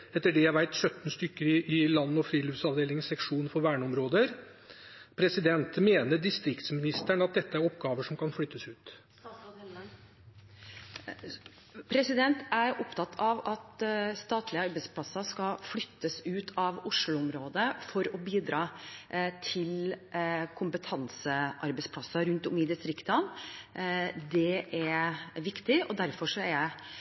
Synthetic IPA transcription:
ɛt̪ːəɖɛjæʋæɪt̪sœt̪ːn̩st̪ʏkːəɾɪɪlɑnːəɔfɾiːlʉfsɑʋd̪eːlɪŋəsɛkʂuːnfɔɾʋæːɳəɔmɾoːd̪əɾ | pʰɾɛsɪd̪ɛnt̪meːnəɖɪst̪ɾɪkt̪smɪnɪst̪æɳɑt̪̚d̪ɛt̪ːəæɾɔpɡɑːʋəʂɔmkʰɑnflʏt̪ːəsʉːt̪ | pʰɾɛsɪd̪ɛnt̪æɾɔpt̪ʰɑt̪ːʰɑʋɑt̪st̪ɑːt̪ʰlɪəɑɾbɛɪspʰlɑsːɑskɑflʏt̪ʰːəsʉːt̪ʰɑʋʊʂlʊʊmɾoːd̪əfɔɾɔbiːd̪ɾɑːt̪ʰɪl | kʰʊmpət̪ʰɑnsəʔɑɾbɛɪspʰlɑsːɑɾʉnt̪ʊmɪd̪ɪst̪ɾɪkt̪ɑn | d̪ɛʔæɾʋɪkt̪ɪʔɔd̪æɾfɔʂɔæ

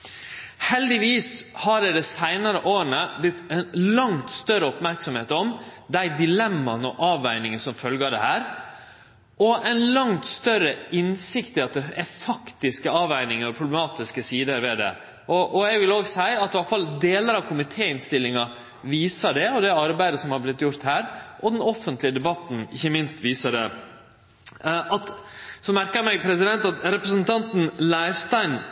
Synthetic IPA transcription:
hɛld̪ɪʋiːshɑɖɛd̪ɛsæɪnɑɾəʔoːɾəɳəblɪt̪ːɛnlɑŋt̪st̪œɾəɔpmæɾksɔmheːt̪ɔmd̪æɪd̪ɪlɛmːɑnɔʔɑːʋæɪnɪŋənsɔmfœlɡəd̪ɛ̰hæːɾ | ʔɔʔɛɪnlɑŋt̪st̪œɾəɪnsɪkt̪ɪɑt̪̚d̪ɛʔɛfɑkt̪ɪskəɑːʋæɪnɪŋəɾɔpʰɾʊblɛmɑːt̪ɪskəsiːd̪əɾʋɛd̪ɛ̰ | ʔɔʔɔɛɡʋɪloːɡsæɪɑt̪ːʋɑlfɑld̪eːləɾɑʋkʰʊmɪt̪ʰeːɪnst̪ɪlːɪŋɑ | ʋiːsəɖɛɔd̪ɛɑɾbæɪd̪əsɔmhɑɾblɪt̪ːjʊɾt̪hæːɾʔɔd̪ɛnɔfːənt̪lɪəd̪ɛbɑt̪n̩ɪçːəmɪnst̪ʋiːsəɖɛ | ɑt̪sɔmæɾkəɾmɛɪpʰɾɛsɪd̪ɛnt̪ɑt̪ɾɛpɾəsnt̪ʰɑnt̪n̩lɑɪst̪ɑɪn

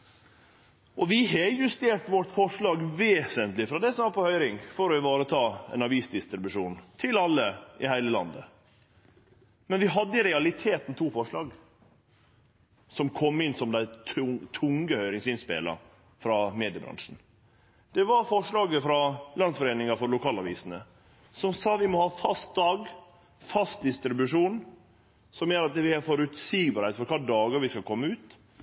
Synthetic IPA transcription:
ʔɔʋɪɦejʉst̪eːʈəʋɔʈːfɔʂɭɑːɡʋeːsənt̪lɪfɾɑd̪ɛsɔɑːpɔhœʏɾɪŋfɔɾɔɪʋɑːɾət̪ʰɑːɛ̰nɑʋiːsd̪ɪst̪ɾɪbʉʂuːnt̪ʰɪlɑlːəɪhæɪləlɑ̰nd̪ə̰ | mɛnʋɪɦɑd̪ːəɪɾɛɑlɪt̪ʰeːt̪n̩t̪ʰuːfɔʂɭɑːɡ | sɔmkʰɔmːɪnːsɔmd̪æɪt̪ʰʊt̪ʰʊŋɡəhœʏɾɪŋsɪnspḛːlɑ̰ | fɾɑmeːd̪ɪəbɾɑ̰nʂn̩ | d̪̥ɛʋɑɾfɔʂɭɑːɡəfɾɑlɑnsfɔɾeːnɪŋɑfɔɾlʊkʰɑːlɑʋiːsnə | sɔmsɑːʋɪmɔhɑːfɑst̪̚d̪ɑːɡ | fɑst̪̚d̪ɪst̪ɾɪbʉʂuːn | sɔmjøːɾɑt̪̚ʋɪæɾfɔɾʉt̪siːɡbɑːɾheɪt̪fɔɾkʰɑːd̪ɑːɡəɾʋɪskɑlkʰɔmːəʉːt̪

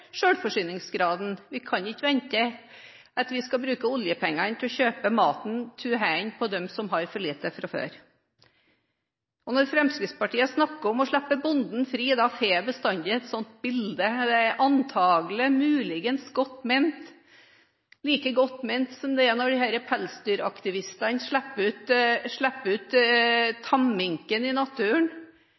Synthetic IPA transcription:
ʂøːɽfɔʂʏːnɪŋsɡɾɑːd̪n̩ʋɪkʰɑnɪkːəʋɛnt̪ə | ʔɑt̪ʋɪskɑbɾʉːkəɔljəpʰɛŋːənt̪ʰɪlɔçøːpəmɑːt̪n̩t̪ʰʉːɦænpʰɔd̪ɛmsɔmɦɑɾfɔɭiːt̪əfɾɑfø̰ːɾ | ɔnɔɾfɾɛmskɾɪd̪spɑʈʰiːəsnɑkːəɔmɔʂɭæpːəbʊnd̪n̩fɾiːd̪ɑfeːbəst̪ɑnd̪ɪɛt̪sɔnt̪̚bɪld̪əd̪ɛɛɾʔɑnt̪ʰɑːɡlɪmʉːlɪɡənsɡɔt̪ːmeɪnt̪ | liːkəɡɔt̪ːmɛɪnt̪sɔmd̪ɛɛnɔɖɪhæːɾəpʰælst̪yːɾɑkt̪ɪʋɪst̪ɑnʂɭæpːəʉːt̪ʂɭæpːəʉːt̪t̪ʰːɑmːɪŋkənɪnɑt̪ʰʉːəɳ

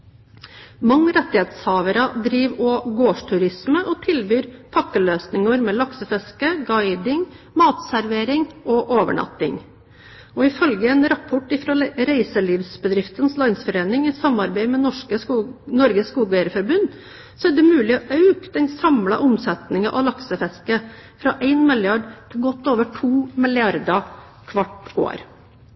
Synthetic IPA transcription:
mɑŋːəɾɛt̪ːɪheːt̪shɑːʋəɾɑd̪ɾiːʋɔɡoːʂʈʰʉɾɪsməʔɔt̪ʰɪlbyːɾpʰɑkːəløːsnɪŋɑɾmɛːlɑksəfɛskəɡɑɪd̪ɪŋ | mɑːt̪sæɾʋeːɾɪŋɔʔoːʋə̰ɳɑ̰t̪ːɪ̰ŋ | ɔɪfœlɡəɛnɾɑpʰɔʈɪfɾɑɾæɪsəliːʋsbəd̪ɾɪft̪ənslɑnsfɔɾeːnɪŋɪsɑmɑɾbæɪmɛnɔʂkənɔɾɡəskuːɡæɾəfɔɾbʉn | sɔæɖɛmʉːlɪɔʔɑʉkd̪ɛnsɑmlɑ̰ʔʊmsɛt̪nɪŋɑʔɑ̰lɑksəfɛskəfɾɑʔæɪnmɪlɪɑɖt̪ʰɪlɡɔt̪ːoːʋəʈʰuːmɪlɪɑɾd̪ɑ | kʰʋɑʈːo̰ːɾ

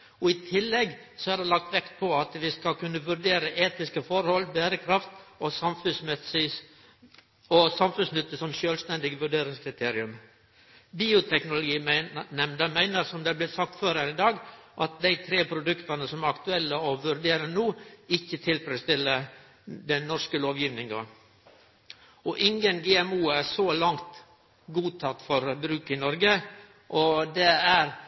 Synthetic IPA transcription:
ɔɪt̪ʰɪlːɛɡsɔæɖ̪ɛlɑk̚t̪ʋɛkt̪̚pʰɔɑt̪ʋɪskɑlkʉnːəʋʉɾɖeːɾəʔeːt̪ɪskəfɔɾhɔlːbæːɾəkʰɾɑft̪ɔsɑmfʉsmɪ | ɔsɑmfʉnsnʏt̪ːəsɔmʃøːlst̪ɛnd̪ɪɡəʋʉɖeːɾɪŋskʰɾɪt̪ʰeːɾɪʉm | biːʊt̪ʰɛknʊlʊɡiːnɛmd̪əmæɪnəɾsɔmd̪ɛblɪːsɑk̚t̪føːɾhænɪd̪ɑːɡʔɑt̪̚d̪æɪt̪ʰɾeːpʰɾʊd̪ʉkt̪ɑnəsɔmæɾɑkt̪ʉɛlːəɔʋʉɾd̪eːɾənuːɪçːət̪ʰɪlfɾɛst̪ɪlə | d̪ɛnɔʂkəloːʋjiːʋnɪŋɑ | ɔʔɪŋənɡeːɛmuːæsoːlɑŋt̪ | ɡuːt̪ʰɑt̪ːfɔɾbɾʉːkɪnɔɾɡə | ʔɔd̪ɛæɾ

